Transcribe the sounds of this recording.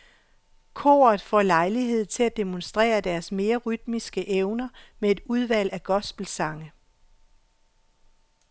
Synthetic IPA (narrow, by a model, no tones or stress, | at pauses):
kʰo̰ːɐð̩ˠfɒ̰ːlɑ̈ɪliɦe̝ð̞̰ˠt͡sʰe̝læd̥e̝monsd̥ʁɛ̰ːɐd̥æɐsme̝ːɐʁyd̥misɡ̥əʔeʊnɐmee̝d̥uð̞ˠʋæl̰æɡ̥ɒ̽sb̥l̩sɑ̈ŋə